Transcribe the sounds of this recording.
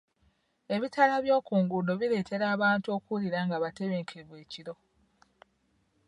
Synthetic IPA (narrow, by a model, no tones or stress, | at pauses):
e̞βitʰalaβjo̞ːkuːŋɡudo̞βile̞ːtʰe̞ɾaːβaːntuo̞ːkuliɾaŋɡaβate̞βe̞ːŋkʰevwe̞ːciɾo̞